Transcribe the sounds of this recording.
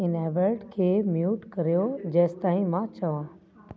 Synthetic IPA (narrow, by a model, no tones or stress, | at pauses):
ɪnɛːʋəɾɖkʰeːmjuːʈkɐɾijod͡ʑɛːst̪aːĩmãt͡ɕɐʋãː